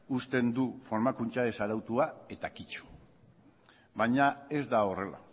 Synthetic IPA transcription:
ust̪e̞nd̪ufo̞ɾmakunt͡ʃae̞saɾawt̪uae̞t̪akit͡ʃu̥ | βaɲae̞zd̪ao̞re̞la̰

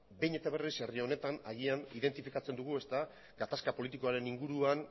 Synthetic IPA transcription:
bejɲe̞t̪aβ̞e̞rise̞rio̞ne̞t̪ana̰jianḭðe̞nt̪ifikat͡se̞nd̪uɣ̞ue̞st̪a | ɡat̪askapo̞lit̪iko̞aɾe̞niŋɡuɾuan

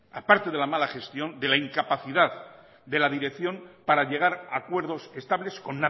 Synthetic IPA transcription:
apaɾt̪e̞ðe̞lamalaχe̞st̪jo̞nd̪e̞laiŋkapaθiðað | d̪e̞laðiɾe̞kθjo̞mpaɾaʎe̞ɣ̞aɾakwe̞ɾðo̞sest̪aβle̞sko̞nːa

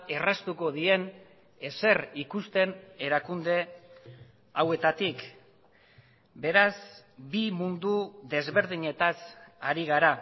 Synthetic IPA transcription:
e̞rast̪uko̞ðie̞n | ese̞rikust̪e̞ne̞ɾakund̪e̞ | awe̞t̪at̪ik | be̞ɾaz | bimund̪uðe̞zβe̞ɾð̞iɲe̞t̪asaɾiɣ̞aɾa

